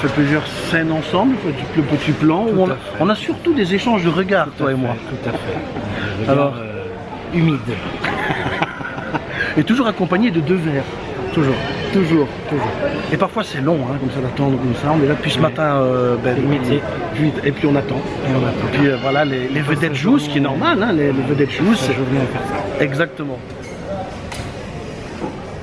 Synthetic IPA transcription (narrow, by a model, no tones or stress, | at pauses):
fɛplyzjœʁsɛnɑ̃sɑ̃blfɛd̪yplɔpət̪iplɑ̃uɔ̃na | ɔ̃nasyʁt̪ud̪ezeʃɑ̃ʒd̪əʁəɡaːʁt̪waemwat̪ut̪afɛəalɔʁ | ymid̪ | et̪uʒuːʁakɔ̃paɲed̪əd̪øvɛːʁ | t̪uʒuːʁt̪uʒuːʁt̪uʒuːʁepaʁfwasɛlɔ̃ɛ̃kɔmsad̪at̪ɑ̃d̪ʁəkɔmsaɔ̃neʒad̪əpɥisəmat̪ɛ̃øbɛi | ʒit̪epɥiɔ̃nat̪ɑ̃epiɔ̃nat̪pɥiøvwalalelevəd̪ɛt̪ʒuskʲiɛnɔʁmalɛ̃lelevəd̪ɛt̪ʒusʒuʁnɛ̃fɛʁsaɛɡzak̚t̪əmɑ̃